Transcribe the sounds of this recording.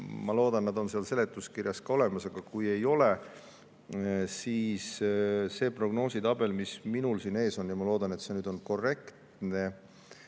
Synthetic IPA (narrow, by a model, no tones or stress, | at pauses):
mɑlo̞ːd̪̥ɑnnɑd̪̥o̞nseɑlse̞le̞t̪ːˑuskirjɑskɑo̞le̞mɑsɑɡ̥ɑkuje̞jo̞le̞ | siːsse̞ːpro̞ɡ̥no̞ːsit̪ɑb̥e̞lmisminulsine̞ːso̞njɑmɑlo̞ːd̪̥ɑnet̪se̞nyːd̪o̞nko̞re̞kt̪ | ne̞